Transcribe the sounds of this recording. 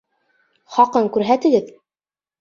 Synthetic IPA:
χɑqɤɴkʉɾɦæt̪ɘ̆ɡɘð

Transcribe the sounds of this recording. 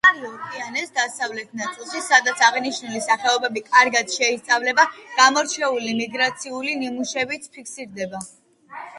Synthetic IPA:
aɾiɔɾkʼianɛsd̪asavlɛt̪ʰnat̪sʼilˠʃisad̪at̪sʰaʁniʃnulisaχɛɔbɛbikʼaɾɡad̪̥ʃɛist̪sʼavlɛbaɡ̥amɔɾt͡ʃʰɛulimiɡɾat̪sʰiulinimuʃɛbit̪spʰikʰsiɾd̪ɛba

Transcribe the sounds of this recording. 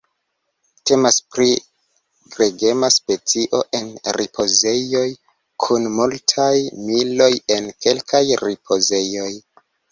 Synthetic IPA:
te̞maspɾi | ɡɾe̞ɡe̞maspe̞t͡siʔo̞ʔe̞nɾipʰo̞ze̞jo̞j | kʰunmultʰajmilo̞jenke̞lkʰajɾipʰo̞ze̞jo̞j

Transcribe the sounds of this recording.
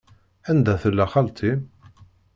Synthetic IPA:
ænd̪æθəlːæχalt̪ʰim

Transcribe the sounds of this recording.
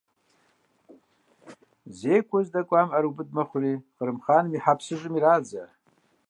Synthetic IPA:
zejkʷʰozdakʷʼamaɾubɨd̚maχʷriχərɨmχanmiħapʰsɨʒʷʼɨmirad͡za

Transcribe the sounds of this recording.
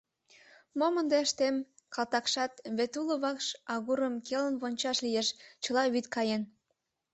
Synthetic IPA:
momənd̪eəʃt̪emkɑlt̪ɑkʃɑt̪βet̪uləβɑkʃɑɣuɾəmkelənβonʲt͡ɕɑʃlijeʃt͡ɕə̆lɑβyt̪kɑjen

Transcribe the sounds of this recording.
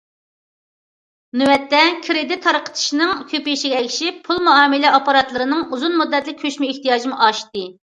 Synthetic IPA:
nywɛt̪ːɛkʲʰɾed̪ɪt̪ʰːɑɾqʰə̥t̪ʰɨ̥ʃinɨŋkʲʰøpijiʃiɡʲɛɛkʲʰiʃipʰːulˠmuɑːmɨlɛɑpɑɾɑt̪lˠɨɾɨnɨŋuzunmud̪ːɛt̪lɪkʲʰːøʃmɪeht̪ijɑːʒimʔɑʃt̪ɨ

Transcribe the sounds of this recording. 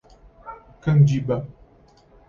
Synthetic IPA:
kand͡ʒiba

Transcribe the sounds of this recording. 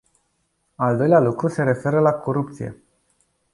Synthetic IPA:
ald̪o̞jlealukɾuse̞ɾe̞fe̞ɾəlakʰoɾup̚t̪sijḛ

